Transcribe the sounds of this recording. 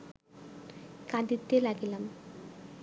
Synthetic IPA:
kɐd̪it̪ːilɐɡilɐm

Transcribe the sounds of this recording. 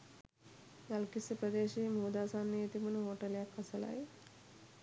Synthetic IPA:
ɡalkisɐpɾəd̪eːʃiːmuːd̪aːsaːnːiet̪imunəɦoːʈɐljakːɐsɐla̰j

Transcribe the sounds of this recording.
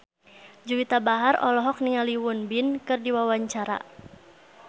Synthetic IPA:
d͡ʒuwit̪abaɦarɔ̰lɔɦɔk̚niŋaliwunbinkɨrdiwawaɲt͡ʃaɾa̰

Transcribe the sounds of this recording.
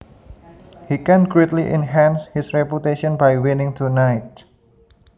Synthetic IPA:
hikɛ̃nɡɾet̪liʔɛnɦɛ̃nshɪsɹɛput̪eʃɔ̃nbajwɪnɪ̃ŋt̪ʰunajt̚

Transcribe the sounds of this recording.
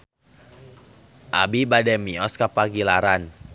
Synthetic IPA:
ʔabibadɛmiɔskapaɡilaɾan

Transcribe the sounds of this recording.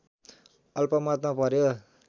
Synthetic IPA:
ʌlpʌmʌt̪mapʌɾjo

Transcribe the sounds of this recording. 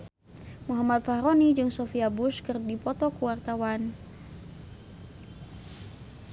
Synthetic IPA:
muɦamat̪̚fahɾonid͡ʒɨŋsofiabuskɨrdipɔt̪ɔkuwart̪awan

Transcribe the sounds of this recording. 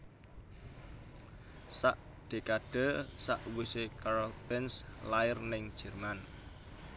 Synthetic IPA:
sa̰ʔ | d̪̥e̤kaɖ̥ə̤sa̰ʔwusekaɾɔlbɛnslaɪrnɪŋ̥ʒ̥ɛ̤rman

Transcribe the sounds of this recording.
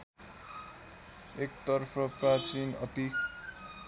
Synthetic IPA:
ek̚t̪ʌrpʰʌprat͡sinʌt̪i

